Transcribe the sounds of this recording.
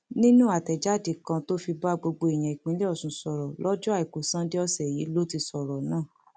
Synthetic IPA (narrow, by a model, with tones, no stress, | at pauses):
nĩ˦nũ˦a˨tɛ˨d͡ʒa˨˦˨di˨kã˧to˦fi˧ba˦ɡ͡bo˧ɡ͡bo˧e˨j̃ã˨i˨k͡pĩ˨˦le˦ɔ˦˨sũ˨˦sɔ˨ɾɔ˨lɔ˦d͡ʒɔ˦a˦˨i˨ko˨sã˦de˦ɔ˧sɛ˨ji˨˦lo˦ti˧sɔ˨ɾɔ˨nãː˦˨